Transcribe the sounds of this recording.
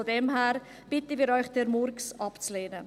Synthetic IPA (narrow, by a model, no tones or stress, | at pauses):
odɛmɦɛːɾ | b̥ɪtəviːɾɔʏxd̥ɛɾmʊɾksʔɑpt͡sleːnə